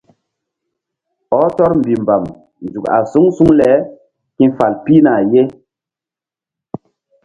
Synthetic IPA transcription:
ɔ˦tɔ˦ɾm̩˨bi˨m˨ba˨m | n˨zu˨ka̰˨su˦ŋsu˦ŋlɛ˨˦ | kĩ˦fa˨lpi˦na˨je˦

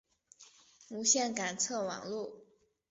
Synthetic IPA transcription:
mu˧˥ɕjɛ˥˩nka˨˩nt͡sʰɤ˥˩wɑ̰˨˩ŋlu˥˩

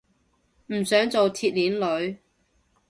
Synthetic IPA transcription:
m̩˨˩sœː˨˥ŋt͡so˨wt̪ʰiː˧t̚liː˨˥nlɵ˨˧˥ɥ

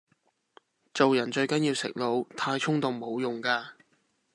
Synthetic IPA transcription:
t͡so˨wjɐ˨˩nt͡ʃɵ˧ɥkɐ˨˥njiː˧wsɪ̰˨˩k̚lo˨˧wt̪ʰaː˧jt͡sʰʊ˥ŋt̪ʊ˨˩ŋmo˨˧wjʊ˨˩ŋkaː˧

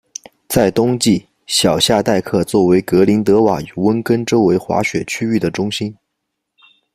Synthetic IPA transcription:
t͡sa˥˩ɪt̪ʊ˥ŋt͡ɕi˥˩ | ɕjɑ˨˩ʊɕja˥˧t̪a˥˧ɪkʰɤ˥˧t͡swɔ˥˩we˧˥ɪkɤ˧˥li˧˥nt̪ɤ˧˥wa˨˩y˨˩wə˥nkə˥nʈ͡ʂo˥ʊwe˧˥ɪxwa̰˧˥ɕɥɛ˨˩t͡ɕʰy˥y˥˩d̪ə˩ʈ͡ʂʊ˥ŋɕi˥n

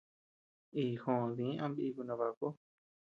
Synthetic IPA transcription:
i˧˨hõ˨ðĩ˨˦ã˧mbiː˧ku˧nã˧βa˧ko˦

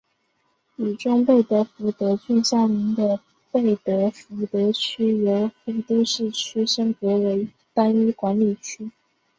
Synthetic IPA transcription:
y˨˩ʈ͡ʂʊ˥ŋpe˥˩ɪt̪ɤ˧˥fu˧˥t̪ɤ˧˥t͡ɕy˥˧nɕjɑ˥˩mi˧˥ŋd̪ə˧ | pe˥˩ɪt̪ɤ˧˥fu˧˥t̪ɤ˧˥t͡ɕʰy˥jo˧˥ʊfə˧˥nt̪i˥˧ʂɻ̩˥˩t͡ɕʰy˥ʂə˥ŋkɤ˧˥we˧˥ɪ | t̪a˥ny˥kwa˧˥nli˨˩t͡ɕʰy˥

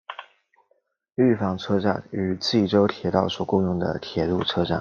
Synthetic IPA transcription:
y˥˩fɑ˨˩ŋʈ͡ʂʰɤ˥ʈ͡ʂa̰˥˩ny˨˧˩t͡si˥˩ʈ͡ʂo˥ʊt̪ʰjɛ˨˩˥t̪ɑ˥˩ʊswɔ˨˩kʊ˥˧ŋjʊ˥˩ŋd̪ə̰˩t̪ʰjɛ˨˩˦lu˥˩ʈ͡ʂʰɤ˥ʈ͡ʂa̰˥˩n

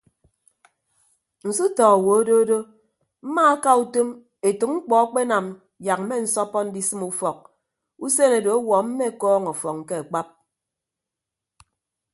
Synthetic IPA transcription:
n̩˨su˦tɔ˨a˨wo˨o˦do˦do˦ | m̩˦ma˦a˦ka˦u˦to˦m | e˨tɨ˨k̚ŋ͡m̩˦k͡pɔ˨a˦k͡pe˦na˨m | ja˨k̚m̩˦me˦n̩˨˦sɔ˦pɔ˦n̩˦di˦sɨ˦mu˦fɔ˨k̚ | u˦se˦ne˨do˨o˦wɔ˨m̩˦me˦˨kɔː˦ŋɔ˨fɔ˨kŋ̩˨ke˦a˨k͡pa˦p̚

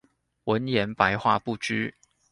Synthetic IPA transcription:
wə˨˦njɛ˨˧˥npa˧˦ɪxwa̰˥˧pu˥˨t͡ʃy˥

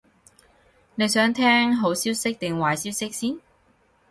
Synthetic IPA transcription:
ne˨˧jsœː˨˥ŋt̪ʰɛː˥ŋɦo˨˥wsiː˥wsɪ˥k̚t̪ɪ˨ŋwaː˨˩jsiː˥wsɪ˥k̚siː˥n

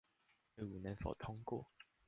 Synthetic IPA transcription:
wu˨˩nə˨˦ŋfo̰˨˩ʊt̪ʰʊ˥ŋkwɔ̰˥˨

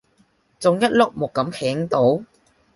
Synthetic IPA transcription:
t͡sʊ˨ŋjɐ˥t̚lʊ˥k̚mʊ˨kːɐ˨˥mhʰɛː˨˥ŋt̪o˨˥w

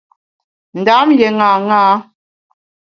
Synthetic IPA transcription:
n̩˨da˨˦mjɛ˨ŋa˨ŋaː˦

